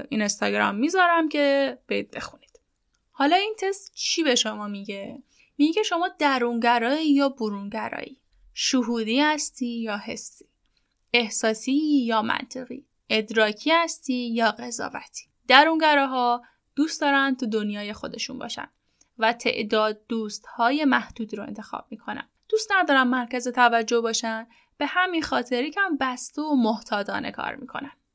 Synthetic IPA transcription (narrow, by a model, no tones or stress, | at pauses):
inest̪ɒɟɾɒ̰mːiːzɒːɾæmcʰe̞b̥eid̪̚be̞̰xuni̥d̪̥ | hɒːlɒːint̪ʰe̞st̪t͡ʃʰiːbe̞ʃo̞mɒːmiɟe̞ | miɟecʰe̞ʃo̞mɒːd̪æɾunɟæɾɒːijɒːboɾunɟæɾɒ̰ːiː | ʃoɦuːd̪iːhæst̪iːjɒːɦe̞sːi̥ː | e̞hsɒːsijɒːmæ̰nt̪ʰeɣḭː | ʔe̞d̪ɾɒːcʰiːhæst̪iːjɒːɣezɒ̰ːvæ̰t̪ʰi̥ | d̪̥æɾunɡæɾɒːɦɒː | d̪̥uːst̪d̪ɒːɾænt̪ʰud̪onjɒːje̞xo̞d̪e̞ʃṵnbɒ̰ːʃæ̰nd̪ | væt̪ʰe̞̰ʔd̪ɒːd̪ːuːst̪hɒːje̞mæhd̪̥uːd̪ɾoḛnt̪ʰe̞xɒ̰ːb̥̚mikʰo̞næ̰nd̪̥ust̪næd̪ɒːɾænmæɾcæzet̪ʰævæd͡ʒːohbɒːʃæn | b̥e̞hæminxɒːt̪ʰe̞ɾicʰæmbæst̪oomoht̪ʰɒːd̪ɒ̰ːnḛkʰɒ̰ːɾmḭkʰo̞̰næn̥